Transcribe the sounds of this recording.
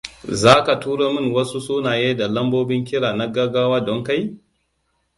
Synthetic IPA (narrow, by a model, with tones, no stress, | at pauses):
zaː˦ka˨tuː˦ɽa˦mɪ˦nwɐ˦su˦suː˦naː˨jeː˦da˨lɐ˦mboː˦bɪ˦ŋkʲɪ˦ɽaː˨na˦ɡɐ˦ɡaː˦waː˦dɔ˦ŋka˦j